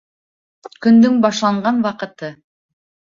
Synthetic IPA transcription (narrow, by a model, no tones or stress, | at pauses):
kɵ̆nd̪ɵŋbɑʃlˠɑɴɢɑnwɑqɤ̆t̪ɤ